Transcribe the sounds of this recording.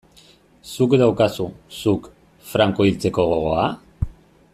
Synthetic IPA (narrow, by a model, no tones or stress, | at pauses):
sukd̪awkasusuk | fɾaŋko̞ilt͡se̞ko̞ɣ̞o̞ɣ̞o̞a